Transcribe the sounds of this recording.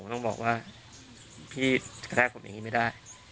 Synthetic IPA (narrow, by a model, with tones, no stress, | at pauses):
o˦t̪ɔ˥˩ŋbɔː˨˩k̚waː˥˩ | pʰiː˥˩k̪ʰɛː˥˩o˩˦mja̰˨ŋːiː˦˥ma˥˩jdaː˥˩j